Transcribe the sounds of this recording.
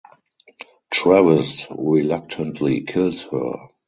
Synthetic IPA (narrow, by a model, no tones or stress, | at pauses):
tʰɹɛvəsɹilak̚tʰə̃ntʰlikʰɪlshɜ̰˞